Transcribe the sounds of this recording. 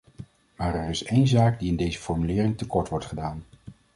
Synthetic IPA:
maːɹɛɹɪsejnzaːɡdiɪndejzəfɔɹmylɪːrɪŋtəkɔɹtʋɔɹtχədaːn

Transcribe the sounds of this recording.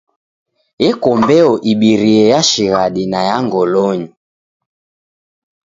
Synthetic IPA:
jɛkɔmbɛɔʔiɓiɾiɛjaʃiɣaɗinajaŋɡɔlɔɲi

